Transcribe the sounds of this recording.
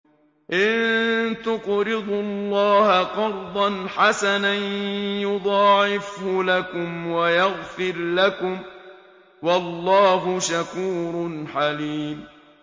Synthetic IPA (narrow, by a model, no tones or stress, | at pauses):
ʔɪnt̪ʊqɾɪd̪ˤʊlːɑːhaqɑɾˤd̪ˤɑnħasananjʊd̪ˤɑːʕɪfhʊlakʊmwajaɣfɪɾlakʊm | wɑlːɑːɦʊʃakuːɾˤʊnħaliːm